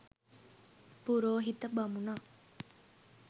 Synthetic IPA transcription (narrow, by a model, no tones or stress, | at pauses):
puɾoːɦit̪ɐbɐmunaː